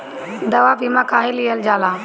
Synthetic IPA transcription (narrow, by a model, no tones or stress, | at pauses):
d̪əʋaːpiːmãːkʰaːɦĩliːəld͡ʒaːlaː